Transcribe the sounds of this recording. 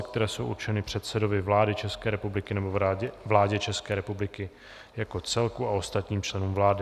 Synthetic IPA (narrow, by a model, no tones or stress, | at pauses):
k̚t̪ɛɾɛːso̞wʔṵɾt͡ʃɛnɪpr̥ɛt̪sɛdo̞vɪvlaːdɪt͡ʃɛskɛːɾɛpublɪkɪnɛbovlaːɟɛt͡ʃɛskɛːɾɛpublɪkɪ | jako̞t͡sɛlkuaʔo̞st̪at̪ɲiːmt͡ʃlɛnuːmvlaːdɪ